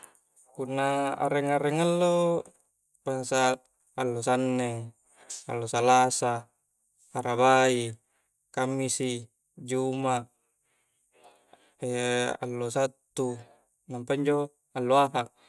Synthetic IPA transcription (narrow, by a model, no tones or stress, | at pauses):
punːaa̰ɾeŋaɾeŋalːo | pasa | alːosanːeŋ | a̰lːosalasa | aɾabai | kamːisi | d͡ʒumaʔ | ea̰lːosat̪ːu | nampaiɲd͡ʒo | alːoaɦaʔ